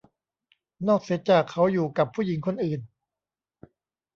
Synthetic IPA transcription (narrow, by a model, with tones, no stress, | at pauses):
nɔː˥˩k̚se˨˦˥t̪̚t͡ɕaː˨˩kʰːa˦˥wjuː˨˩ka˨˩pʰːuː˥˩ji˩˦ŋkʰo˧nʔɯː˨˩n